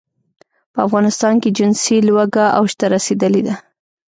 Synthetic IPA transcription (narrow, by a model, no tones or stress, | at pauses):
pəafɣɑnɪst̪ɑnked͡ʒɪnsilwaɡaʔa̰wʃt̪aɾased̪əled̪a